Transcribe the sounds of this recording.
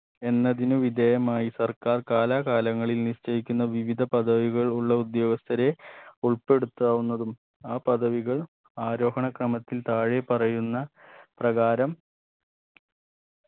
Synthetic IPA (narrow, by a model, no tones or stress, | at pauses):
e̞nːɐðinuʋid̪ejɐmaːjisɐrkaːrkaːlaːkaːlɐŋːɐɭilniɕt͡ɕɐjikʲːunːɐʋiʋid̪ʱɐpɐd̪ɐʋiɣɐɭuɭːɐud̪jo̞ːɡɐst̪ʰɐɾe̞uɭpe̞ɽut̪ːaːʋunːɐðum | aːpɐd̪ʱɐʋiɣɐɭ | aːɾo̞ːɦɐɳɐkrɐmɐt̪ːilt̪aːɻepɐrɐjunːɐprɐɣaːɾɐm